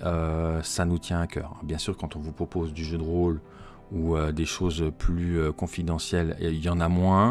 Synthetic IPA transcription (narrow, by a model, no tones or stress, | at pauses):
øsanut̪jɛ̃akʲʰœ̰ːʁɛ̰̃bjɛ̃syʁkɑ̃t̪ɔ̃vupχɔpozd̪yʒød̪əʁol | uød̪eʃozøplyøkɔ̃fid̪ɑ̃sjɛlijɑ̃namwɛ̃